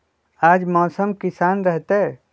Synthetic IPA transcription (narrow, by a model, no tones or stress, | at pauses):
aːd͡ʒmɔːsəmkɪsaːnɾɛɦt̪e